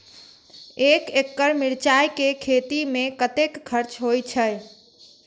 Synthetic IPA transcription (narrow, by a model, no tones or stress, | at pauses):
ekekːəɾmiɾt͡ʃajkekʰet̪imẽkət̪ekːʰəɾt͡ʃɦojt͡ʃʰəj